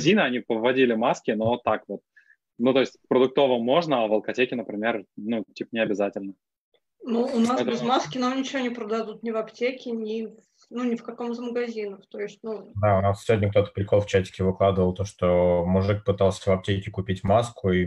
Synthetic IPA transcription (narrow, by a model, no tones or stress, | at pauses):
zʲinɨɐnʲipəvːɐdʲilʲɪmaskʲɪno̞t̪ːakvo̞t̪̚ | nut̪o̞ɪsʲtʲfpɾəd̪ʊk̚t̪o̞vəmːo̞ʐnəɐvəlˠkɐtʲekʲɪnəpɾʲɪmʲernutʲipənʲɪɐbʲɪzatʲɪlʲnə | nuːnasɛt̪ɪzmaskʲɪnamnʲɪt͡ɕɪvʲonʲɪpɾəd̪ɐd̪ut̪nʲɪvɐptʲekʲɪnʲɪ | nunʲɪfkɐkomzməɡɐzʲinəft̪o̞ɪsʲtʲnud̪aʊnassʲɪvʲodʲnʲək̚t̪o̞t̪ə̥pɾʲɪko̞lˠft͡ɕætʲɪ̥kʲɪvɨklˠad̪əvəlˠt̪oʂt̪omʊʐɨk̚pɨt̪alˠsʲəvɐp̚tʲekʲɪkʊpʲitʲmaskʊi